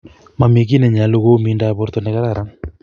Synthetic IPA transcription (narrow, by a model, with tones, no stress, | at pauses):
ma˨me˨k̬i˦ne˨ɲa˨lo˦ɣo˦mi˦nda˦˨βo˨˦ɾt̪o˨ne˨ɣa˦ɾa˦˨ɾa˦